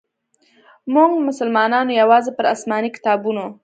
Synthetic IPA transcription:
muŋɡmʊsəlmɑnɑnojawɑzepəɾasmɑnikɪ̥t̪ɑbuno

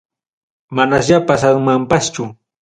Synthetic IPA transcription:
manasjapasamampast͡ʃʊ

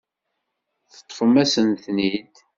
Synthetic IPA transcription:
θə̥t̪ˤːfəmæsənθnid̪

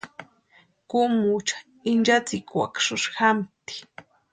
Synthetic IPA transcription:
kʊmut͡ʃḁ | ind͡ʒat͡sɪkwa̰kʂʊʃxamt̪i̥

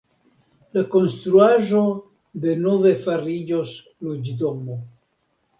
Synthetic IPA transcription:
lako̞nst̪ɾuaʒo̞ | de̞nove̞faɾid͡ʒos | lod͡ʒdomo

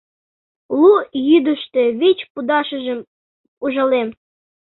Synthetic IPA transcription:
lujyd̪əʃt̪ĕβet͡ɕpud̪ɑʃəʒə̆m | uʒə̆lem

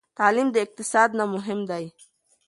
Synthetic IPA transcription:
t̪aːlimd̪əɪq̚t̪ɪsɑːd̪namʊɦɪmd̪aj

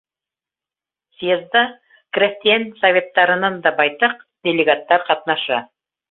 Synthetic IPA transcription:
siezd̪ɑ | krʲesʲt̪ijansovʲe̞t̪ːɑɾə̆nɑnd̪ɑbɑjt̪ɤq̚d̪̥ʲelʲeɡat̪ːɑɾqɑt̪nɑʃɑ

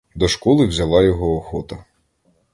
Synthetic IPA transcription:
d̪ɔʃkɔlˠɪwzʲɐlˠɑjɔɦɔːxɔt̪ɐ

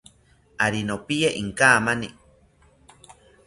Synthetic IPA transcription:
aɾinopijeʔiŋkaːmani

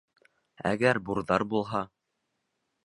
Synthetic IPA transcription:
æ̰ɡæɾbuɾðɑɾbulˠɦɑ

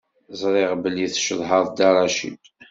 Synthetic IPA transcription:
zˤɾˤeʁbəlːiθʃəðˤɦəðˤd̪ɑɾˤɑʃḭd̪

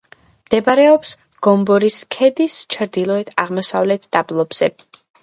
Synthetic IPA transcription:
md̪̥ɛbaɾɛɔps | ɡ̥ɔmbɔɾiskʰɛd̪ist͡ʃʰɾd̪ilˠɔɛt̪ʰaʁmɔsavlɛt̪ʰd̪ablˠɔbz̥ɛ̰

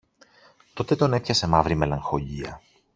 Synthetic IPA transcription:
t̪o̞t̪e̞t̪o̞ne̞pçɐse̞mɐvɾime̞lɐŋxo̞ʎiɐ̰

